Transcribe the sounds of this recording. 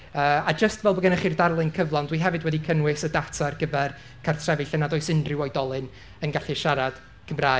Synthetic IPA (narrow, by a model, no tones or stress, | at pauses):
əːad͡ʒəstvɛlˠbəɡənəχirdarlˠɨnkʰəvlˠɔndwiɦɛvɨdwɛdikʰənwɨsədatʰarɡəvɛr | kʰartʰrɛvɨɬənadɔɨsɪndrɪwɔjdɔlˠɨn | ənɡaɬiʃaɾad̥ | kʰəmraː